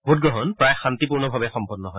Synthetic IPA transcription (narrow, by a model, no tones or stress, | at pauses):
bʱot̚ɡɔɦɔnpɹajxantipuɹnɔbʱabɛxɔmpɔnːɔɦɔj